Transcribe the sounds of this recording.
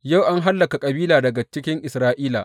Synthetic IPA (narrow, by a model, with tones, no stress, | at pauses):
ja˦˨wʔa˦ŋɦa˦lːɐ˨ka˨kʼɐ˨biː˦laː˨dɐ˨ɡa˨t͡ʃɪ˦kʲɪ˦ŋʔɪ˨sɾaː˦ʔiː˦la̰˨ʔ